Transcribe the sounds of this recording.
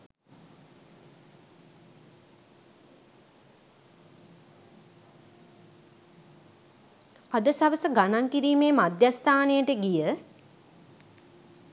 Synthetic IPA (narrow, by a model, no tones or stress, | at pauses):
ad̪əsaʋəsəɡanaŋkiɾiːmeːmad̪jast̪aːnejəʈəɡijə